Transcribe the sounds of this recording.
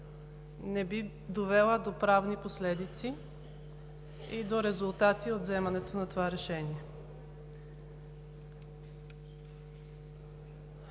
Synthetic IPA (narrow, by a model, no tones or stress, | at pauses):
nɛbi | d̪ovɛlˠəd̪opɾavniposlɛd̪it̪si | id̪oɾɛzulˠt̪at̪iot̪zɛmɐnɛt̪onɐt̪ovaɾɛʃɛniɛ